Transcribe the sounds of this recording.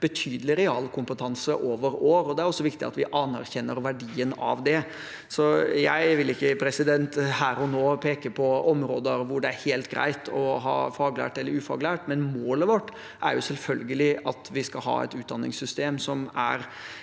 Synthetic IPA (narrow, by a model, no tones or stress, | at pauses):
b̥ət̪ʰyːd̪əlɪɾɛɑːlkʰʊmpət̪ʰɑnsəʔoːʋəɾoːɾɔd̪ɛæɾɔsːɔʋɪkt̪ɪ̰ɑ̰t̪ʋɪʔɑnæɾçɛnːəɾʋæɖiːənɑ̰ʋd̪ɛ | sɔjæɪʋɪlɪkːəpʰɾɛsɪd̪ɛnt̪hæːɾɔnoːpʰeːkəpʰɔɔmɾoːd̪əɾʋʊɖɛæɾheːlt̪ɡɾæ̰ɪt̪ʰɔ̰ɦɑ̰ːfɑːɡlæ̰ːʈɛlːəɾʉːfɑ̰ɡlæːʈmɛnmoːləʋɔʈː | ʔæ̰ɾjʊsɛlfœlɡəlɪʔɑt̪ʋɪskɑlɦɑ̰ːɛ̰t̪ʉːt̪̚d̪ɑnːɪ̰ŋsʏst̪eːmsɔmæ̰ɾ